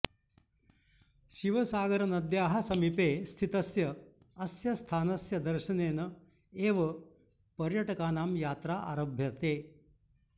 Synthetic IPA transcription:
ʃiʋɐsaːɡɐɾɐnɐd̪jaːɦɐsɐmipeːst̪ʰit̪ɐsjɐ | ɐsjɐst̪ʰaːnɐsjɐd̪ɐɾʃɐneːnɐ | eːʋɐ | pɐɾjɐʈɐkaːnaːmjaːt̪ɾaːʔa̰ːɾɐbʱjɐt̪eː

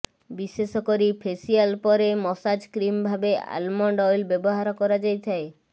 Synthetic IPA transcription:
bisesɔkoɾipʰesialpɔɾemɔsad͡ʒkɾimbʱabea̰lmɔɳɖɔjlbeboɦaɾɔkɔɾad͡ʒajt̪ʰae

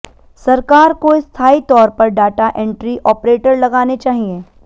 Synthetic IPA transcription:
sɐɾkaːɾkoɪst̪ʰaːit̪ɔːɾpɐɾɖaːʈaʔɛ̃ɳʈɾiʔɔːpɾeːʈəɾlɐɡaːnet͡ʃaːɦieː

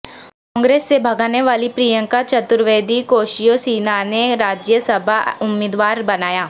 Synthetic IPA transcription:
kɔ̃ːŋɡɾeːsːebʱəɡaːneʋaːlipɾiːjə̃ŋkat͡ʃət̪ʊɾʋeːd̪ikoːʃijosiːnaneɾaːd͡ʒjəsəbʱaʊmːɪːd̪ʋaːɾbənaːjaː

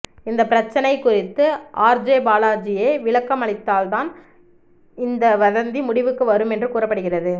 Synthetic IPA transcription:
ɪnd̪ɐpɪɾɐt͡ʃːɐnɐɪkʊrɪt̪ːɯʔaːɾd͡ʒeːbaːlaːd͡ʒɪjeːʋɪɭɐkːɐmɐɭɪt̪ːaːlt̪aːn | ɪnd̪ɐʋɐðɐnd̪imʊɽɪʋɯkːɯʋɐɾɯmɛndrɯkuːrɐpːɐɽɯɣɪrɐðɯ

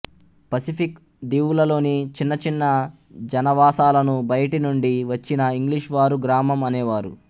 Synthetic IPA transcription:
pɐsipʰik | d̪iːwulɐlo̞ːnit͡ʃinːɐt͡ʃinːɐ | d͡ʒɐnɐʋaːsaːlɐnubɐjɐʈinuɳɖiʋɐt͡ʃːinɐiŋɡliʂʋaːɾuɡɾaːmɐmɐnɛːʋaːɾu

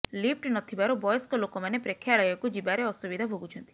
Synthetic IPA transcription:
lip̚ʈnɔt̪ʰibaɾubɔjɔskɔlokɔmanepɾekʰːjaɭɔjɔkud͡ʒibaɾeɔsubid̪ʱabʱoɡut͡ʃʰɔnt̪i

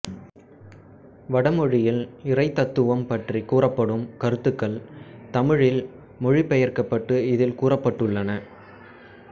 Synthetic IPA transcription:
ʋɐɽɐmɔɻɪjɪlɪrɐɪt̪ːɐt̪ːɯʋɐmpɐʈrikuːrɐpːɐɽɯmkɐɾɯt̪ːɯkːɐɭt̪ɐmɪɻɪl | mɔɻɪpɛjɐrkɐpːɐʈːɯɪðɪlkuːrɐpːɐʈːɯɭːɐnɐ

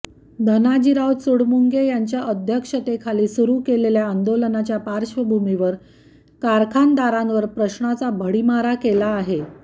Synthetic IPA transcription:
d̪ʱənad͡ʑiɾaw̪suɽmuŋɡejaɲt͡ɕjaʔəd̪ʱjəkʂət̪ekʰaliːsuɾuːkeleljaːnd̪olənat͡ɕjapaɾɕʋəbʱumiʋəɾ | kaɾkʰand̪aɾanʋəɾpɾəɕɳat͡sabʱəɽimaɾakelaːɦe

